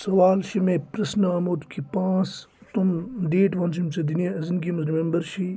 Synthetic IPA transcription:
sɐʋaːlʃimẽpɾɐsnɐɐmud̪kʰipãːt͡st̪umɖeːʈʋɐnsimsed̪injaɐzinɡimɐzɾimẽmbəɾʃi

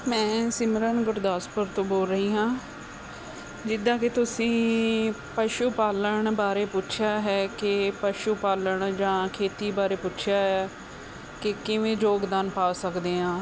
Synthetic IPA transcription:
mɛ̃ːsɪmɾəɳɡʊɾd̪aːspəɾt̪õːboːlɾəɦiːɦãː | d͡ʒɪd̪ãːket̪ʊsĩː | pəʃuːpaːləɳbaːɾeːpʊt͡ʃʰjaːɦɛːkɪpəʃuːpaːləɳd͡ʒãːkʰeːt̪iːbaːɾeːpʊt͡ʃʰjaːɦɛː | kɪkɪʋẽːd͡ʒoːkd̪aːnpaːsəkd̪eːɦãː

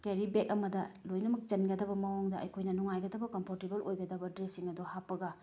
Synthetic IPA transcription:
keɾibek̚ɐmɐdɐlojnɐmɐk̚t͡ʃɐnɡɐdɐbɐmɐwoŋdɐɐ̰jkʰojnɐnuŋajɡɐdɐbɐkɐmpʰoɾtebɐlʔojɡɐdɐbɐdɾesiŋɐduhapːɐɡɐ

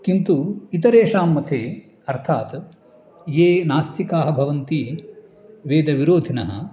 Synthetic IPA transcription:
kint̪uit̪ɐɾeːʂaːmːɐt̪ʰeː | ɐɾt̪ʰaːt̪ | jeːnaːst̪ʰikaːɦɐ̆bʱɐʋɐnt̪i | ʋeːd̪ɐʋiɾoːd̪ʱinɐɦɐ̰

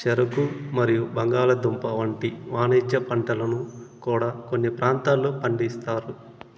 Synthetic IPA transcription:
t͡ʃɛɾɐkumɐɾijubɐŋɡaːlɐd̪umpɐʋɐɳʈiʋaːned͡ʒɐpɐɳʈɐlɐnukuːɽaːko̞nːipɾaːnt̪aːlːoːpɐɳɖist̪aːɾu

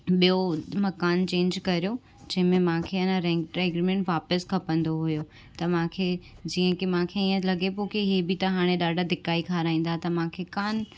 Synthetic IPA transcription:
ɓijomɐkaːnt͡ɕẽːɲd͡ʑkɐɾijo | d͡ʑɐ̃ɦɪ̃mẽmãːkʰeɐnə̃ɾɛ̃ʈɾeːɡɾimẽɳʈʋaːpəskʰɐpə̃nd̪oɦʊjo | t̪ɐmãːkʰeːd͡ʑiːə̃kimãːkʰeiːə̃lɐɡepoːkiɦebit̪ɐɦaːɽ̃eɗaːɖʱad̪ʱɪkaːikʰaːɾaːĩːn̆d̪aːɦet̪ɐmãːkʰekaːn

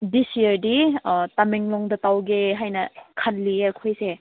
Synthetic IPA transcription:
disiəɾditameŋlɔŋdɐtawɡeɦajnɐkʰanliɐkʰojse

